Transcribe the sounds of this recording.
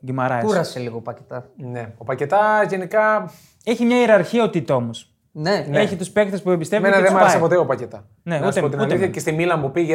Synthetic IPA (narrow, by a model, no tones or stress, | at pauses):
ɡimɐɾɐkuɾɐseliɣopɐcet̪ɐneopɐcet̪ɐʝe̞nikɐ | e̞çimɲɐiɾɐɾçiɐot̪it̪o̞mos | neneçit̪uspe̞k̚t̪espuebist̪evmenɐðemɐɐsɐpot̪eopɐcet̪ɐ | ne̞ust̪eot̪inuɐleiɐcest̪imilɐmupiʝe